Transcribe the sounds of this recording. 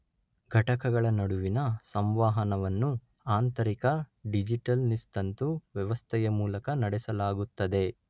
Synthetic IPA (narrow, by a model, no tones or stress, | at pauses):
ɡʱɐʈɐkɐɡɐɭɐnɐɽuʋinɐsɐmʋaːɦɐnɐʋɐnːu | aːnt̪ɐɾikɐɖid͡ʒiʈɐlnist̪ɐnt̪uʋjɛʋɐst̪ʰɛjɐmuːlɐkɐnɐɽɛsɐlaːɡut̪ːɐd̪e̞